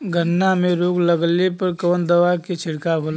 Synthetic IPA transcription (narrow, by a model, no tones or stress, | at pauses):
ɡʱənːamẽɾoːɡləɡlepəɾkɔːnd̪əʋaket͡ʃʰɪɽkaɦoːl